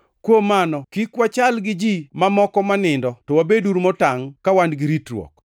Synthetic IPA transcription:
kwomanɔkikwat͡ʃalɡɪd͡ʒimamɔkɔmanɪndɔtɔwabeduɾmɔtaŋkawandɡɪɾitɾwɔ̰k

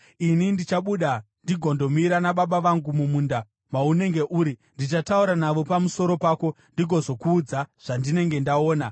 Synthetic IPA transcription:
inindit͡ʃaɓuːɗa | ndiɡʱo̞ndo̞miɾanaɓaɓaʋaŋɡumumuːnda | maune̞ŋɡe̞ʔuːɾindit͡ʃatauɾanaʋo̞pamuso̞ɾo̞paːko̞ | ndiɡʱo̞zo̞kuːd͡zaʐ̥andine̞ŋɡe̞ndao̞ːna

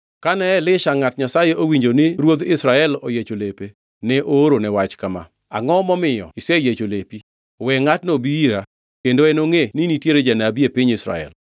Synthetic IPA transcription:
kanɛlɪʃaŋatɲasajeʔowiɲd͡ʒoniɾwod̪ɪsɾaɛlojet͡ʃolepe | nɛʔoɾonɛwat͡ʃkama̰ | a̰ŋɔmɔmɪjɔ̰isɛjet͡ʃolepi | wɛŋatnobiiɾa | kendoɛnoŋeninitjeɾed͡ʒanabiepɪɲɪsɾa̰ɛ̰l

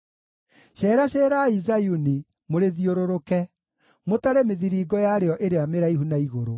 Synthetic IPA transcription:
ɕɛːɾaɕeːɾaizajuni | moɾeðioɾoɾokɛ | motaɾɛmeðiɾiːɡɔjaɾeɔʔeɾeameɾaihunaiɣoɾo

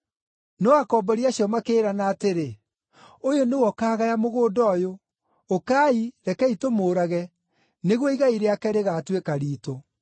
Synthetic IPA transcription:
nɔakɔːbɔɾiaɕjɔmakeːɾanaːteɾe | ojonewɔkaːɣajamoɣoːdɔːjoː | kaːiɾɛkɛitomoːɾaɣɛ | neɣwɔiɣaiɾeakɛɾeɣaːtwekaɾiːto

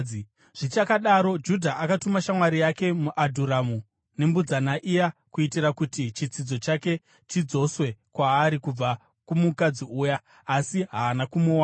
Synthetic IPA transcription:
ʐ̥it͡ʃakaɗaɾo̞d͡ʒudʱaʔakatumaʃamwaɾijake̞muʔadʱuɾamu | ne̞mbud͡zanaʔijakuitiɾakutit͡ʃit͡sid͡zo̞t͡ʃake̞ | tid͡zo̞swe̞kwaːɾikub͡va | kumukad͡ziuːjaː | siɦaːnakumuwa

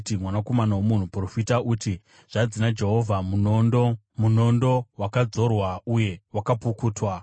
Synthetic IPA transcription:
timwanako̞manawomun̤upro̞fitaʔuti | ʐ̥ad͡zinad͡ʒe̞ɦo̞vʱamunndo | muno̞ndowakad͡zo̞rwauje̞wakapukuːtwa

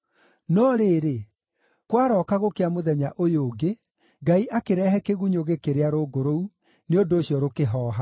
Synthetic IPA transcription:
nɔɾeːɾe | kwaɾɔːkaɣokeamoðɛɲaʔojoːɡe | ɡaiʔakeɾɛɦɛkeɣuɲoɣekeɾeaɾoɡoɾou | neondoːɕjɔɾokeɦɔːɦa

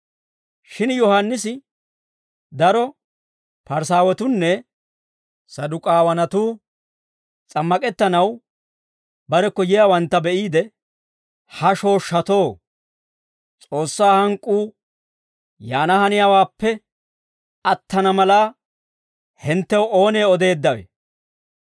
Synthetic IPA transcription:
ʃɪnjɔhanːɪsɪ | d̪ɐɾɔ | pɐɾs̬aːwɛt̪ʊnːɛ | sɐd̪ʊkʼaːwɐnɐt̪uː | t͡sʼɐmːɐkʼɛt̪ːɐnɐw | bɐɾɛkːɔjɪjaːwɐnt̪ːɐbɛʔiːd̪ɛ | hɐʃo̞ːʃːɐt̪o̞ː | t͡sʼo̞ːsːaːhɐŋkʼːuː | jaːnɐhɐnɪjaːwaːpːɛ | ɐt̪ːɐnɐmɐlaː | hɪnt̪ːɛwʔoːne̞ːɔd̪e̞ːd̪ːɐwḛ

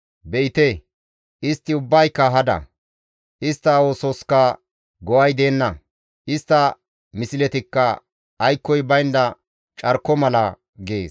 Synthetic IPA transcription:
bɛɪt̪e | ʔɪst̪ːɪʊbːɐjkːɐɦɐd̪ɐ̰ | ʔɪst̪ːɐwoːsɔskɐ | ɡɔwɐjd̪e̞ːnːɐ | ʔɪst̪ːɐ | mɪsɪlɛt̪ɪkːɐː | jkːɔjbɐjnd̪ɐ | t͡ʃʼɐɾkːɔmɐlɐ | ɡe̞̰ːs

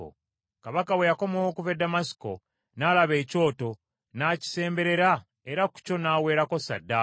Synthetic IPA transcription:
kaβakawe̞jako̞mowokuvedːamasi̥ko̞ | naːlaβe̞ːco̞ːto̞ | naːci̥se̞ːmbe̞ɾe̞ɾa | eɾaku̥co̞naːwe̞ːɾako̞sa̰dːa

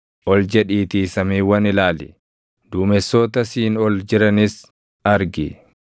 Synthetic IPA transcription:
ʔɔld͡ʒɛᶑiːt̪iːsɐmiːwɐnɪlaːlɪ̰ | d̪̥uːmɛsːoːt̪ɐsiːnɔld͡ʒɪɾɐnɪs | ɐɾɡɪ

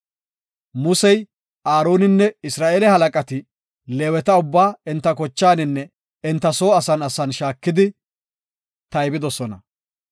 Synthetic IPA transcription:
mʊsɛj | aːɾo̞ːnɪnːɛɪsɾaːʔeːlɛhɐlɐkʼɐt̪ɪ | leːwɛt̪ɐʊbːaːɪnt̪ːɐkɔt͡ʃːaːnɪnːɛ | ɪnt̪ːɐso̞ːɐsɐnɐsɐnʃaːkːɪd̪ɪ | t̪ɐjbɪd̪ɔsɔnɐ̰

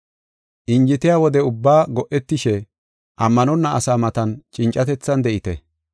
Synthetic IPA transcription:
ʔɪnd͡ʒɪt̪ɪjaːwɔd̪ɛʊbːaːɡɔʔɛt̪ːɪʃɛ | ʔɐmːɐnɔnːɐʔɐsaːmɐt̪ɐnt͡ʃʼɪnt͡ʃʼːɐt̪ɛt͡sːɐnd̪ɛʔɪt̪ɛ

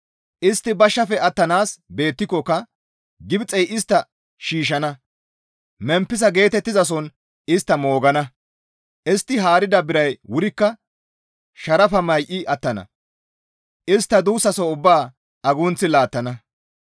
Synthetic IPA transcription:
ʔɪst̪ːɪbɐʃːɐfɛɐt̪ːɐnaːsbe̞ːt̪ːɪkːɔkːɐ | ɡɪbt͡sʼːɛjʔɪst̪ːɐ | ʃiːʃ̬ɐnɐ | mɛmpːɪzɐɡe̞ːt̪ɛt̪ːɪzɐs̬ɔn | ɪst̪ːɐmo̞ːɡɐnɐ | ʔɪst̪ːɪɦaːɾɪd̪ɐbɪɾɐjwʊɾɪkːɐ | ʃɐɾɐfɐmɐjʔɪʔɐt̪ːɐnɐ̰ | ʔɪst̪ːɐd̪uːsːɐsɔʊbːaː | ɐɡʊnt͡sːɪlaːt̪ːɐnɐ

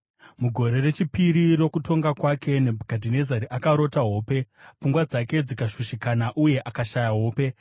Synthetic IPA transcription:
muɡʱo̞ɾe̞re̞t͡ʃipiɾiɾokutʰo̞ŋɡakwakʰe̞ne̞bʱuɡʱadʱine̞zaɾiʔakaɾo̞taɦo̞ːpe̞p͡fuŋɡwad͡zake̞d͡zikaʃuʃikanaʔuje̞ʔakaʃajaɦo̞ːpe̞

